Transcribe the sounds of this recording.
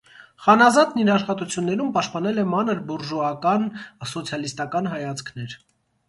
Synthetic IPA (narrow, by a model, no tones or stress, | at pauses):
χɑnɑzɑt̪niɾɑʃχɑt̪ut͡sʰjunːɛɾumpɑʃt̪̚pɑnɛlɛmɑnəɾbuɾʒuɑkɑnsɔt͡sʰjɑlist̪ɑkɑn̪ɦɑjɑt͡skʰnɛɾ